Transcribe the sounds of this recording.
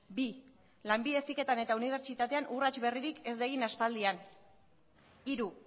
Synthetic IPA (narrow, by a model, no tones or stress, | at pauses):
bi | lambiðe̞sike̞t̪ane̞t̪auniβ̞e̞ɾt͡ʃit̪at̪e̞anurat͡ʃβe̞riɾike̞zd̪eɣinaspald̪ian | iɾu